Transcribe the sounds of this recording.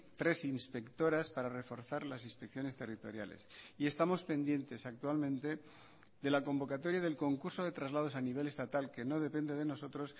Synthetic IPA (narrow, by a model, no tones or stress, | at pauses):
t̪ɾe̞sinspe̞kt̪o̞ɾaspaɾare̞fo̞ɾθaɾlasinspekθjo̞ne̞st̪e̞rit̪o̞̰ɾja̰le̞̰sie̞st̪amo̞spe̞nd̪je̞nt̪e̞sak̚t̪ualmẽnt̪e̞ | ðe̞lako̞mbo̞kat̪o̞ɾjað̞elko̞ŋkuɾso̞ðe̞t̪ɾazlað̞o̞saniβ̞e̞le̞st̪at̪alke̞no̞ðe̞pe̞nd̪e̞ð̞e̞no̞so̞t̪ɾo̞s